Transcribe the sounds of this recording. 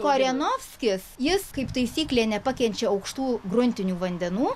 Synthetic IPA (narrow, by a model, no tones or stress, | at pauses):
koːɾʲɛnoːfʲsʲkʲɪsjɪskɐɪpt̪ɐɪsʲiːklʲeːnʲɛpɐkʲɛnʲt͡ʃʲɛɐʊkʃt̪uːɡɾʊnʲt̪ʲɪnʲuːʋɐnʲd̪ʲɛnuː